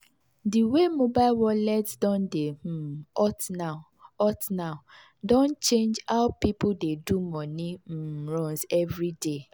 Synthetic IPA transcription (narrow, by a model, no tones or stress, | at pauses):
diwemobaɪlwɔlɛdsdɔ̃ndem̩ɔtna | ɔtnaʊ | dõnt͡ʃẽnd͡ʒaʊpipʊdedumɔnim̩ɾɔnzɛvɾide